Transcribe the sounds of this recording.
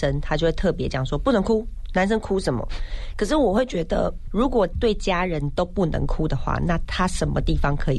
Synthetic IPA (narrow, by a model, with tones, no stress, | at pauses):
ə˦nt̪ʰa˥t͡ɕjwe˥˩t̪ʰɤ˥˩pjɛ˧˦˥t͡ɕjɑ˨˩ŋʂwɔ˦˥pu˥˩nə˧˥ŋkʰu˥na˧˦nʂə˥nkʰu˥ʂə˧˦nmə̰˨kʰə˨˩ʂ̬ɻ̩˥˩wɔ˨˩xwe˥ɪt͡ɕɥɛ˧˥d̪ə̰˧ɻu˨˥kwɔ˨˩t̪we˥˩ɪt͡ɕja˥ɻə˨˦nt̪o˥ʊpu˥˩nə̰˧˦ŋkʰu˦d̪ə˨xwa̰˥˩na˥˨t̪ʰa˦ʂə˧˦nmə̰˧t̪i˥˩fɑ˦ŋkʰɤ˧˦˥i˨